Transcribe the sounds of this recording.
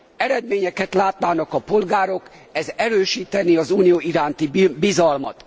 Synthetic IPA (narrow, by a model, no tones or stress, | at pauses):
ɛɾɛd̪meːɲɛkɛt̪laːt̪naːnɒkɒpo̞lɡaːɾo̞k | ɛzɛɾøːʃiːt̪ɛniɒzuːnijoːiɾaːnt̪ibizɒlmɒt̪